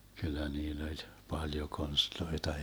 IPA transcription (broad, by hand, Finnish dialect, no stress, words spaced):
kylːæ niːlː olʲ pɑljo konstloitɑ